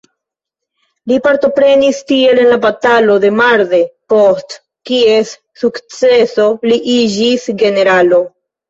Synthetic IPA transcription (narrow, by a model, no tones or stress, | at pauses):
lipaɾto̞pɾe̞nistie̞le̞nlabatalo̞de̞maɾðe̞post | kie̞s | sukt͡se̞so̞liʔid͡ʒisɡe̞ne̞ɾalo̞